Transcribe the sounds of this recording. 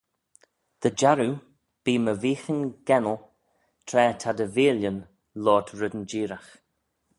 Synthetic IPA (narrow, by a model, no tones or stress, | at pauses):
d̪̥əd͡ʒaɾu | b̥iːməviːxənɡ̥ɛnəlˠ | t̪ʰɾɛːt̪ʰad̪əviːljən | lɔːdɹɪd̪ənd͡ʒiːɾax